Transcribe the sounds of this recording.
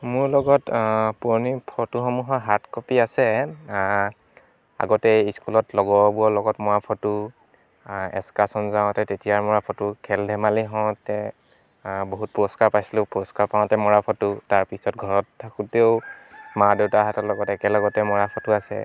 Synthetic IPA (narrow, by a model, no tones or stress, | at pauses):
mʊɹlɔɡɔtpuɹɔnipʰɔtuxɔmuɦɔɦatkɔpiasɛ | a̰ɡɔtɛiskulɔtlɔɡɔbuɔlɔɡɔtmɔɹapʰɔtʊ | ɛ̰skasɔnzaʊ̃tɛtetijaɹmɔɹapʰɔtʊkʰɛldʱɛmaliɦɔ̃tɛ | boɦut̚puɹɔskaɹpajsilʊ̃puɹɔskaɹpaʊ̃tɛmɔɹapʰɔtʊtaɹpisɔtɡʱɔɹɔtʰːakuteʊmadewtaɦatɔlɔɡɔtɛkɛlɔɡɔtɛmɔɹapʰɔtʊasɛ̰